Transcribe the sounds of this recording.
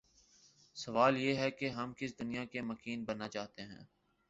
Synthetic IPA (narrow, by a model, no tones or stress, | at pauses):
sɐʋaːljeːɦɛkeɦɐmkɪs̬d̪ʊnijakemɐkiːnbɐnːat͡ʃaːt̪eɦɛ̰̃ː